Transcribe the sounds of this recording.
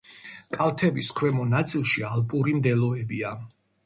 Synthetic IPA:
kʼalˠt̪ʰɛbiskʰwɛmɔnat̪sʼilˠʃialpʼuɾimd̪ɛlɔɛbia

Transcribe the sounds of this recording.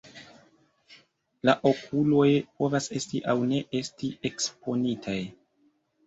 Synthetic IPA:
laʔo̞kʰulo̞jpo̞vase̞stiʔawne̞ʔe̞stie̞kspo̞nitʰaj

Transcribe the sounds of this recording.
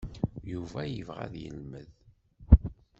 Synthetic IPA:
juvæjəvʁæ̰ðjə̰lməð

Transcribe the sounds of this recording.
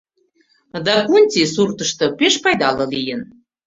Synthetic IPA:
d̪ɑkunʲt̪ʲisurt̪əʃt̪ɤ̆peʃpɑjd̪ɑlɤ̆lijən

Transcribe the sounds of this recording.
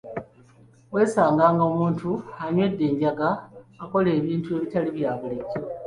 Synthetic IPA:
we̞ːsaːŋɡaːŋɡaomuːntuaɲwe̞dːe̞ːɲɟaɡaːko̞le̞ːβiːntue̞ːβitaliβjaːβuleɟːo

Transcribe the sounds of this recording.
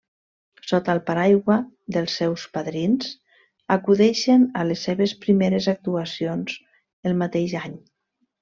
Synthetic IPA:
sot̪alˠpaɾajɣwa | d̪əlˠsːɛwspaðɾinz̥ | akuðɛʃenalesːeβespɾimeɾezak̚t̪uasionz̥ | əlˠmat̪eʃaɲ

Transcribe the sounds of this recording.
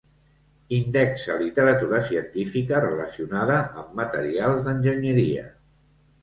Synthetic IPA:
ind̪ɛksəlit̪əɾət̪uɾəsiənt̪ifikərələsiunaðəʔːmːət̪əɾialˠzðənʲʒəɲəɾiə̰

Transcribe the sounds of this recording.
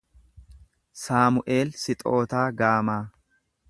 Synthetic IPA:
saːmʊʔe̞ːlsɪt̪ʼo̞ːt̪aːɡaːmaː

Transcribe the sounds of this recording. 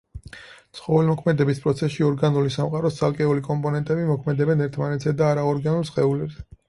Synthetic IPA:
tt̪sʰχɔvɛlmɔkʰmɛd̪ɛbispʼɾɔt̪sʰɛsʃiɔɾɡanulisamqʼaɾɔst̪sʰalˠkʼɛulikʼɔmpʼɔnɛnt̪ʼɛbimɔkʰmɛd̪ɛbɛnɛɾt̪ʰmanɛt̪ʰz̥ɛd̪aːɾaɔɾɡanulˠsχʼɛulɛbzɛ

